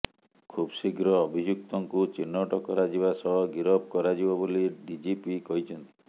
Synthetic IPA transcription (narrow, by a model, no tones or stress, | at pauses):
kʰubsiɡɾɔːbʱid͡ʒuk̚t̪ɔŋkut͡ʃinːɔʈɔkɔɾad͡ʒiβasɔɭɔɡiɾɔb̚kɔɾad͡ʒibɔboliɖid͡ʒipikɔɦit͡ʃʰɔnt̪i̥